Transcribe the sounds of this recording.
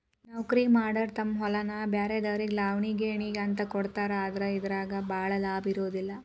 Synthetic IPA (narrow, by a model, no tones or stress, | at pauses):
nɐwkɾiːmaːɾɖɐɾt̪ɐmːɦɔlɐnɐbjaːɾed̪ɐʋɾiɡlaːʋɳiɡeːɳiːɡɐnt̪ɐkɔɽt̪aːɾeaːd̪ɾɐid̪ɐɾaːɡɐbʱaːɭɐlaːbiɾoːd̪ilːɐ